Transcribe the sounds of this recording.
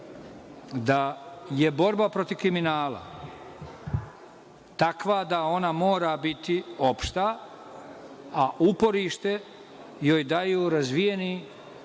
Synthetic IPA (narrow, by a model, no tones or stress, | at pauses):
d̪aje̞bo̞ɾbapɾo̞t̪iʋkɾiminaːla̰ | t̪akʋad̪ao̞namo̞ːɾabit̪io̞pʃt̪a | ʔupo̞ɾiːʃt̪e̞ | jojd̪ajuːɾazʋije̞ni